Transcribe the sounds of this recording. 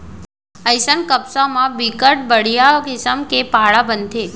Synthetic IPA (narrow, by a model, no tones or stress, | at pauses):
əjsənkəpsamãbikəʈ̚bəɽ̤ijaɡɪsəmkepaɭabənt̪ʰe